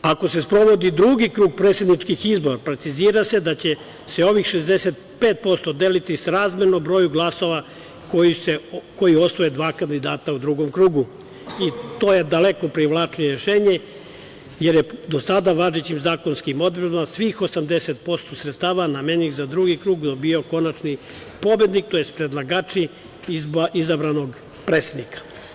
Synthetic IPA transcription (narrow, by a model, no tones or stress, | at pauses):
ako̞se̞spɾo̞ʋo̞d̪id̪ɾuɡikɾuːɡ̚pɾet̪sed̪nit͡ʃkixizbo̞ɾapɾe̞t̪siziːɾase̞d̪at͡ɕe̞ | se̞o̞ʋixʃezd̪eset̪̚ | peːt̪̚po̞st̪od̪elit̪isɾaːzmeɾnobɾo̞ːjuɡlˠaso̞ʋa | kojiseko̞jio̞sʋojed̪ʋaːkand̪id̪aːt̪aud̪ɾuɡo̞mkɾuːɡu | it̪o̞ːje̞d̪alekopɾiʋlˠaːt͡ʃnieɾeʃeːɲe | je̞ɾjed̪osad̪aʋaʒet͡ɕimzaːko̞nskimo̞d̪ilmasʋixo̞samd̪e̞set̪̚po̞st̪o̞sɾet̪st̪aːʋanameniɣzad̪ɾuɡikɾuːɡd̪obio̞ko̞nat͡ʃni | po̞bjed̪nik̚t̪ojespɾed̪lˠaɡaːt͡ʃi | izabɾano̞ɡ | pɾeːt̪sed̪nikḁ